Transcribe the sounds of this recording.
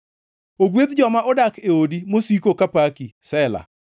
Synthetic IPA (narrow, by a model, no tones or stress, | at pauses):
oɡwet̪d͡ʒɔmaʔɔdakeodimosikokapakisɛla̰